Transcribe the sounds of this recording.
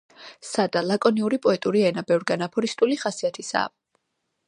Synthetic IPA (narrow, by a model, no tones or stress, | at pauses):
sad̪alakʼɔniuɾipʼɔɛt̪ʼuɾiɛnabɛvɾɡanapʰɔɾist̪ʼuliχasiat̪ʰisa̰